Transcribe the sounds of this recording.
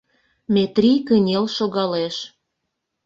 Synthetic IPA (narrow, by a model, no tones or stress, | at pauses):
mʲet̪rʲikənʲelʃoɣɑleʃ